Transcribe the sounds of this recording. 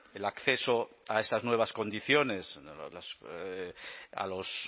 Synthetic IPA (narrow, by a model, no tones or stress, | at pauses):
elakθe̞soaest̪aznwe̞β̞asko̞nd̪iθjo̞ne̞slas | a̰los